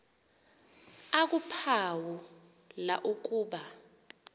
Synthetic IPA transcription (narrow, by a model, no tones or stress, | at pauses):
ak̬upʰawu | la̰ʔuk̬ʼuːɓa